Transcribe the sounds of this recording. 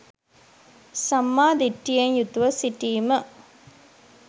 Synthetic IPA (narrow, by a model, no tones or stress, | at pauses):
sɐmːaːd̪iʈːijɐɲjut̪uʋɐsiʈiːmə